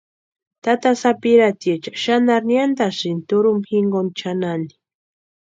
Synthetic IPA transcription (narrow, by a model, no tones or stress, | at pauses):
t̪at̪asapiɾat̪jet͡ʃḁʃanaɾnjand̪asint̪uɾumxiŋɡont͡ʃanani̥